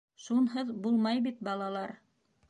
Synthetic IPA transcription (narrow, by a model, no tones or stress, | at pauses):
ʃunɦɤðbulˠmɑjbit̪̚bɑlˠɑlˠɑɾ